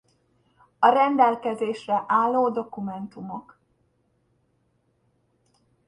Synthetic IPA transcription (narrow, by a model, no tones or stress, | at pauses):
ɒɾɛnd̪ɛlkɛzeːʃrɛʔaːlːoːd̪o̞kumɛnt̪umok